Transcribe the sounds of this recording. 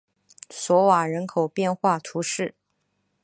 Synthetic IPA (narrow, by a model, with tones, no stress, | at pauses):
swɔ˧˥wa˨˩ɻə˧˥nkʰo˨˩ʊpjɛ˥˧nxwa˥˩t̪ʰu˧˥ʂɻ̩˥˩